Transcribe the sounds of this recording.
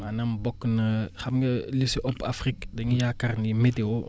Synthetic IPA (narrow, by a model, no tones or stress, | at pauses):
maːnɐmbɔkːnɐxɐmɡɐlisiʔɔpafrikdɐŋijakɐrnimetewo